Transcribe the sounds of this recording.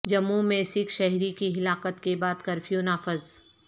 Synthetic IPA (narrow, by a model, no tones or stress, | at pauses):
d͡ʒɐmːumɛːsɪkʃɛɦɾikiɦɪlaːqət̪kebaːd̪kɐɾfijõnaːfɪz